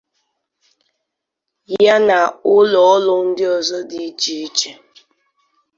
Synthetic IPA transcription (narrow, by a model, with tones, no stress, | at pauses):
ja˦na˨ʊ˦lɔ˨ɔ˦lʊ˦n̩˦dɪ˦ɔ˨zɔ˦dɪ˦t͡ʃi˨i˦t͡ʃe˦